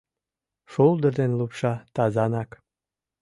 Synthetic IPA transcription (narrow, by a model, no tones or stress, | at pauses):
ʃulˠd̪ərd̪enlupʃɑt̪ɑzɑnɑk